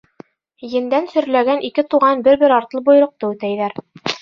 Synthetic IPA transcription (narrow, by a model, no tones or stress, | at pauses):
jɘ̆nd̪ænsɵ̆ɾlæɡænʔikɘt̪uʁɑnbɘɾbɘɾɑɾt̪lˠɤbuj̆ɾɤ̆q̚t̪ɤʉt̪æjlæɾ